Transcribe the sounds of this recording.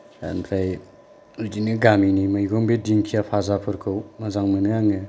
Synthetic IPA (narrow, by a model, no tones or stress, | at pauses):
a̰npʰlaj | udinɯɡaminimajɡɔŋbediŋkʰijapʰazapʰɯɾkʰɯwmazaŋmɯnɯjaŋɯ